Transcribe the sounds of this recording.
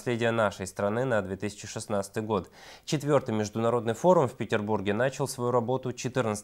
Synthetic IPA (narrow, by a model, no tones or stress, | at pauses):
sʲlʲedʲɪjənaʂəjst̪ɾɐnɨnɐd̪vʲet̪ɨsʲɪ̥t͡ɕɪʂɨsnat̪sət̪ɨjɡo̞t̪ | t͡ɕɪt̪vʲo̞rt̪ɨjmʲɪʐd̪ʊnɐɾo̞d̪nɨjfo̞ɾʊmfʲpʲɪtʲɪrburɡʲɪnat͡ɕɪlˠsvɐjuɾɐbo̞t̪ʊt͡ɕɪt̪ɨnət̪s